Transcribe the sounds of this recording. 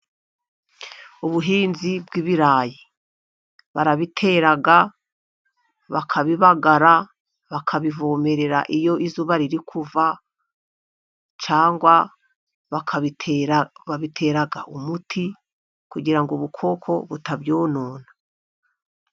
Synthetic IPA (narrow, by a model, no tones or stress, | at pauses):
uβuɦiːnzibɡiβiɾaːji | βaɾaβitʰeɾaɡa | βakʰaβiβaɡaɾa | βakʰaβivome̞ɾe̞ɾa̰ʔijo̞ʔizuβaɾiɾikʰuva | t͡ʃaːŋɡwa | βakʰa | βaβitʰe̞ɾaɡa̰ʔumutʰi | kuɡiɾaŋɡuβukʰo̞kʰo̞βutabjoːnoːnḁ